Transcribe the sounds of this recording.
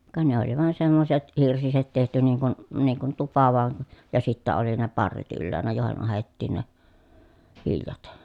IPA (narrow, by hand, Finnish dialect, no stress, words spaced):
kɑ ne oli ʋɑˑen semːoset hirsiset tehty niːŋ kun niːŋ kun tupɑ ʋɑˑen̞ jɑ sitːæ oli ne pɑrːet ylːæːnæ joˑehen ɑhetːiːn ne ʋiljɑt